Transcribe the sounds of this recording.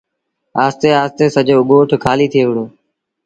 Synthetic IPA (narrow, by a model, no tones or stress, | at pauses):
aːst̪eːaːst̪eːsəʄoːɠoːʈʰkʰaːliːt̪ʰɪieːʋɪɽoː